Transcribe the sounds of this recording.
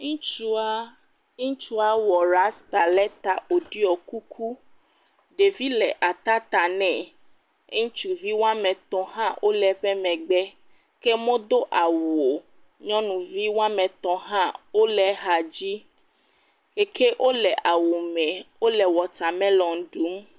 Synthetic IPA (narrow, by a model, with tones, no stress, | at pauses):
ŋũ˦t͡ʃu˦a˦ | ũ˦t͡ʃu˦a˦wɔ˨ɾa˦st̪a˨lɛ˦t̪a˨o˨ɖi˦ɔ˨ku˦kʰu˦ | ɖe˨vi˦lɛ˨ʔa˨t̪a˦t̪a˨nɛ̃˨ | e˦ŋũ˦t͡ʃu˨vi˦wa˦mɛ̃˨t̪ɔ̃˨ɦã˦ʔo˦lɛ˨˦ɸɛ˦mɛ̃˨ɡ͡bɛ˦ | ke˦mõ˦d̪o˦ʔa˨wo˨ | ɲɔ̃˦nũ˨vi˦wa˦mɛ̃˨t̪ɔ̃˨ɦã˦wo˦lɛ˨˦ɦa˨d͡ʑi˦ | ke˨kʰe˦ʔo˦lɛ˨ʔa˨wo˨mɛ̃˨wo˦lɛ˨wɔ˨t̪a˨mɛ̃˦lɔ̃˨ŋ˨˦ɖu˨˦m